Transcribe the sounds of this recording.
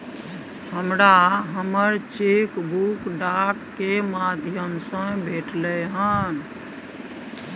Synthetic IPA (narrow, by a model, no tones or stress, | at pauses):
həmɾaɦəməɾt͡ʃekbʱukɖakːemad̪ʱjəmsə̃bʱeʈləɦə̃n